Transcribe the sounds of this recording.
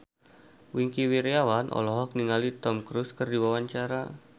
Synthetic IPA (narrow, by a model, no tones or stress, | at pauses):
wiŋkiwiɾiawanʔɔ̰lɔɦɔk̚niŋalit̪ɔmkɾuskərdiwawaɲt͡ʃaɾa